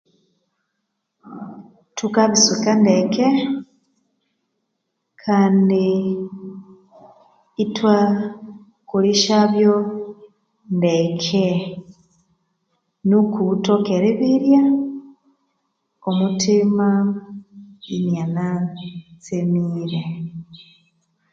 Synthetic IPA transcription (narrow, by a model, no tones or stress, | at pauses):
tukaβisukandekʰe | kʰaːndi | twa | kuliʃaβjo | ndekʰe | nukutokeɾeβiɾja | omutima | injanat͡semiːɾe